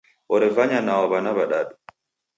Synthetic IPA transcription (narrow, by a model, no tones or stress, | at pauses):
ʔɔɾɛvaɲanawabanaβaɗaɗu